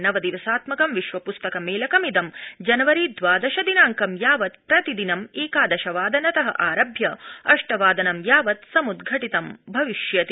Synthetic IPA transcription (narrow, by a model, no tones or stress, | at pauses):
nɐʋɐd̪iʋɐsaːt̪mɐkɐmʋiʃʋɐpust̪ɐkɐmeːlɐkɐmid̪ɐmd͡ʒɐnɐʋɐɾid̪ʋaːd̪ɐʃɐd̪inaːŋkɐmjaːʋɐt̪̚pɾɐt̪id̪inɐmeːkaːd̪ɐʃɐʋaːd̪ɐnɐt̪ɐɦɐ̰ʔaːɾɐbʱjɐɐʂʈɐʋaːd̪ɐnɐmjaːʋɐt̪sɐmud̪ɡʱɐʈit̪ɐmbʱɐʋiʃjɐt̪i